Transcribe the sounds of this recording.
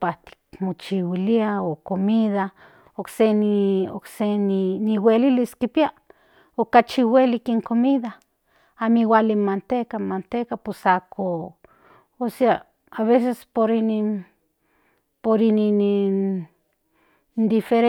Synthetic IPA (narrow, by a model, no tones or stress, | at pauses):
pat̪i̥kmot͡ʃiwiliaokomiða | oksenio̰kseniniweliliskipia | okat͡ʃiwelikeŋkomiða | amiwalimant̪ekamant̪ekapwesakʰo | osea | aβesespoɾinin | poɾininin | nd̪ifeɾe